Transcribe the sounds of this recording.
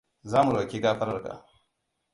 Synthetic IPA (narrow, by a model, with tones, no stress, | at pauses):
zaː˦mu˨ɾa˨kʲeː˦ɡaː˦ɸɐ˦ɾɐ˨ka̰ː˨